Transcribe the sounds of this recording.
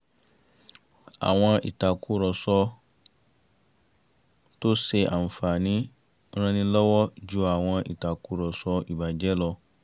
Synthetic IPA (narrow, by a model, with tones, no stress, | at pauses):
a̰˨w̃ɔ̃˧ḭ˨ta˨kʰu˦ɾɔ˨sɔ˧ | to˦se˧ʔa̰˨n̩˨fa˨nĩ˦ | ɾ̃ã˧nĩ˦lɔ˦wɔ˦d͡ʒu˦a˨w̃ɔ̃˧ʔḭ˨ta˨ku˨˦ɾɔ˨sɔ˧i˨ba˨d͡ʒɛ˦lɔ˧